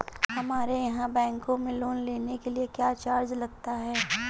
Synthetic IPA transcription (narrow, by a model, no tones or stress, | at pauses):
ɦɐmaːɾejɐɦãbɛ̃ːŋkõmẽloːnleːnekeliekjaːt͡ʃaːɾd͡ʒlɐɡ̚t̪aɦɛː